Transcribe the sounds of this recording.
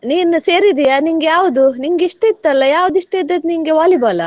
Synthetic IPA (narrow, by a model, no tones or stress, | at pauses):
niːnuseːɾid̪ijaniŋɡejaːʋud̪uniŋɡiʂʈeit̪ːɐlːɐjaːʋud̪iʂʈeid̪ɐd̪niŋɡeʋaːlibaːlɐ̰